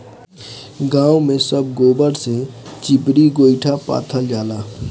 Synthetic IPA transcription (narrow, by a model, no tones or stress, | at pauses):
ɡãːwmẽsəb̚ɡoːbəɾset͡ʃɪpɾiɡoːɪʈʰapa̰ːt̪ʰəld͡ʒaːlaː